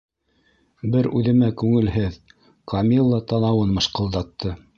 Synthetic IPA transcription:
bɘɾʉðɘ̆mækʉŋɘ̆lɦɘð | kʰɑmʲilˠːɑt̪ɑnɑwɤnmɤ̆ʃqɤ̆lˠd̪ɑt̪ːɤ

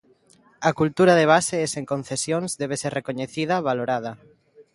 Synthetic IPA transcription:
akult̪uɾaðeβ̞aseseŋkõnθesjõŋzðɛβ̞eseɾrekoɲeθiðaβaloɾaðɐ

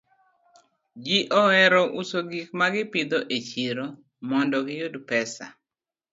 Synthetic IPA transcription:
d͡ʒiʔɔɛɾɔʔusoɡik̚maɡɪpɪd̪oʔet͡ʃiɾo | mɔndɔɡɪjodpɛsa̰

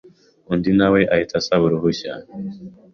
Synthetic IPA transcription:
undinaweʔaitʰasaβuɾuɦuɕa̰

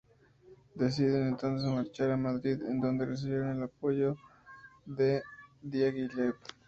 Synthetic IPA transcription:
d̪e̞s̬iðene̞nt̪o̞ns̬ezmaɾt͡ʃaɾamaðɾiðend̪o̞nd̪e̞res̬iβjeɾone̞lapo̞ʝo̞ | ðe̞d̪jaɣilet̪

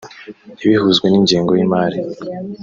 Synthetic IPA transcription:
iβihuzɡweniɲɟiːŋɡojimaːɾi

